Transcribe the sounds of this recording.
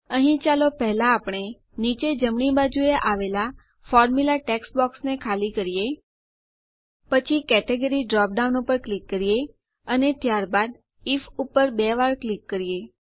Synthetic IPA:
əɦĩt͡ʃalopɛɦlaːpɽ̃e | nit͡ʃed͡ʒəmɳibad͡ʒueʔaʋela | fɔɾmulaʈɛksbɔksnekʰalikəɾije | pət͡ʃʰikɛʈeɡəɾiɖɾɔp̚ɖaunopəɾklikːəɾije | ənet̪jaɾbad̪ | ifupːəɾbeʋaɾklikːəɾije

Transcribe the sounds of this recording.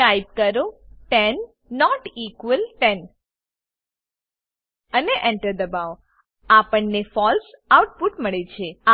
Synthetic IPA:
ajb̚kəɾoʈɛnː | ɔʈikʋəlʈɛn | əneʔɛ̃ɳʈəɾd̪əbaʋ | apəɳnefɔlsawʈ̚puʈməɭet͡ʃʰea

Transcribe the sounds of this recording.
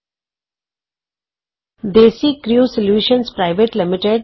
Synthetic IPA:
d̪eːsiːkɾjuːsɪljuːʃə̃nspɾaɪʋeʈlɪmɪʈeɖ

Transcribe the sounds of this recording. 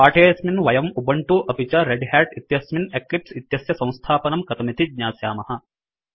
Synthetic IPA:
paːʈʰeːɐsminʋɐjɐmubɐɳʈuʔɐpit͡ʃɐɾeɖɦɛːʈit̪jɐsmineklipsit̪jɐsjɐsɐ̃w̃st̪ʰaːpɐnɐmkɐt̪ɐmit̪ʰid̪̚ɲaːsjaːmɐhɐ̆

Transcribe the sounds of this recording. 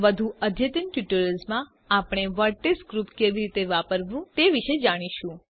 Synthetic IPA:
ʋəd̪ʱũəd̪ʱjət̪inʈjuʈəɾəlzmã | apɽ̃eʋəɾʈesɡɾupkeʋiɾit̪eʋapəɾʋũt̪eʋiʃed͡ʒaɽ̃iʃũ

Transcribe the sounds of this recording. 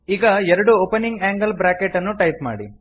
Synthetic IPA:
iːɡɐɛɾɐɽuoːpeniŋɡaːŋɡɐlbɾaːkeʈːɐnːuʈɐjp̚ma̰ːɽḭ

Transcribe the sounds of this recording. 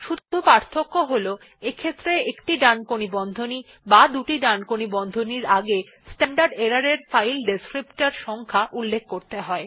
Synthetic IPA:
ʃuupaɾt̪ʰokːoɦolo | ekʰet̪ːɾeekʈiɖankonibɔnd̪ʱoni | bad̪uʈiɖankonibɔnd̪ʱoniɾaɡe | sʈaɳɖaɾɖeɾaɾeɾfajlɖeskɾipʈaɾʃɔŋkʰaʔulːek̚ʰkoɾt̪eɦɔe

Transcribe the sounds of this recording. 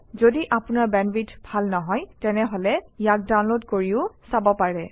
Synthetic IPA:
zodiʔapʊnaɹbɛnbitbʱalnɔɦɔjtɛnɛɦolɛijak̚daw̃nlodkoɹiʊsabɔpaɹɛ

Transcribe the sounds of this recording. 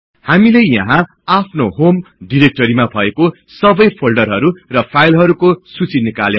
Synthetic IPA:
hamilejjʌɦã | apʰnoɦomɖiɾek̚ʈʌɾimabʱʌeko | sʌbʌjpʰolɖʌrɦʌɾurʌpʰajlɦʌɾukosut͡sinikalje

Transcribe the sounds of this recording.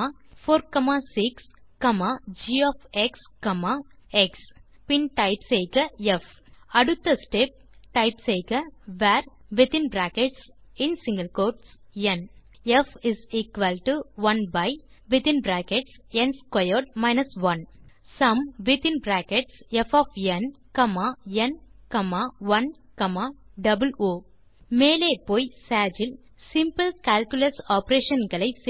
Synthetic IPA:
afoːɾkɐmasikskɐmad͡ʒiːɔːfekskɐmaeks | pĩnʈaɪpsejɡɐef | ɐɽut̪ːɐsʈep̚ʈaɪpsejɡɐʋæːɾ | ʋɪt̪ɪ̃nbɾæːkeʈs | ɪ̃nsĩŋɡəlkoːʈs | jẽn | efɪziːkʋɐlʈuʋɐ̃nbaɪ | ʋɪt̪ɪ̃nbɾæːkeʈs | ẽnskɐjoɖmaɪnɐsʋɐ̃n | sɐ̃mʋɪt̪ɪ̃nbɾæːkeʈsɛfɔːfɛnkɐmaːɛnkɐmaːʋɐn | kɐmaːɖɐbəloː | meːleːpoːjsaːd͡ʒɪl | sɪ̃mpɨlkaːlkjʊlɐsɔːpɾeːʃɐ̃nɡɐɭɐɪs

